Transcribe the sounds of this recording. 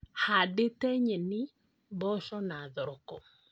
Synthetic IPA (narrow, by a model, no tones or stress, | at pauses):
hadet̪eɲenɪ | bɔʃɔnaðɔɾkɔ̰